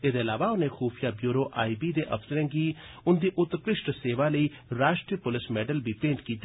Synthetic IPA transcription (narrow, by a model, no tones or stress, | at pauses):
eːd̪eəlaːʋaːʊnẽːxuːpʰijaːbjuːɾoːʔaːibiːd̪eːʔə̰pʰsəɾɛ̃ːɡiːʊnd̪iːʔʊt̪kɾɪʃʈseːʋaːləiːɾaːʃʈɾipʊlɪsmɛːɖəlbiːpẽːɳʈkiːt̪